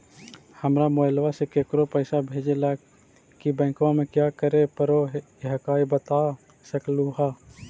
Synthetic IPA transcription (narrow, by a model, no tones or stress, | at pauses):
həmɾamoːɪlʋasekeːkɾopəːsabʱeːd͡ʒelaːɡ | kibɛ̃ːkʋãmẽkjaːkəɾepəɾoɦ | ɦkaːibət̪aː | səkluːɦaː